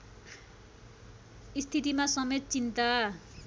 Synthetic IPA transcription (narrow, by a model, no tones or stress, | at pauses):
ist̪ʰit̪imasʌmet̪̚t͡sint̪a